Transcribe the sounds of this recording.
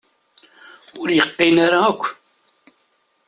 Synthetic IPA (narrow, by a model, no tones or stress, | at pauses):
ʊɾjəqːɪnaɾakʷː